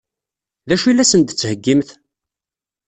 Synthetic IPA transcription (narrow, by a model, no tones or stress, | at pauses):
ðæʃilːæsənt̪t͡sːhəɡːimθ